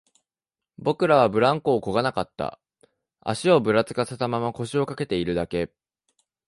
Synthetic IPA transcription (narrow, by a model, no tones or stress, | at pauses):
bo̞kɯ̟ɾaβ̞abɯ̟ɾãŋko̞ːko̞ɡanakat̪ːa̰ | a̰ɕio̞bɯ̟ɾat͡sɨ̥kase̞t̪amamako̞ɕio̞kake̞t̪e̞iɾɯ̟d̪ake̞